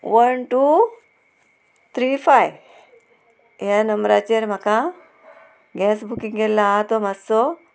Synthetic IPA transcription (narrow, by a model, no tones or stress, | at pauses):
ʋənʈu | t̪ʰɾifʰaj | janəmɾat͡ɕeɾmaka | ɡɛsbʱukĩŋɡelːat̪omɐso